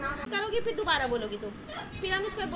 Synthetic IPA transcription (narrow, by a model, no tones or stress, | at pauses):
kɐɾoːɡipɪɾd̪ʊbaːɾaboːloːɡit̪um | piɾamɪskoeb